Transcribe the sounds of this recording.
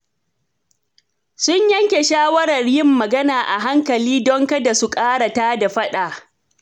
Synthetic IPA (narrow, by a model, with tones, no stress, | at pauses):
sʊ˦ɲjɐ˦ŋkʲe˨ʃaː˦wɐ˦ɾɐ˨rjɪ˦mːɐ˨ɡɐ˦naː˨ʔa˨ɦa˦ŋkɐ˨liː˦dɔ˦ŋkɐ˦da˨su˨kʼaː˦ɽa˨taː˦da˨ɸɐ˦ɗaː˨